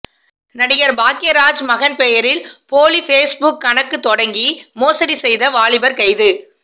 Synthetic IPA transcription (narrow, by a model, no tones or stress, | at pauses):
nɐɽɪjɐɾbaːkːɪjɐɾaːd͡ʒmɐɣɐnpɛjɐɾɪlpoːlifeːsbʊkːɐnɐkːɯt̪ːɔɽɐŋɡimoːsɐɾisɛjðɐʋaːɭɪbɐɾkɐɪðɯ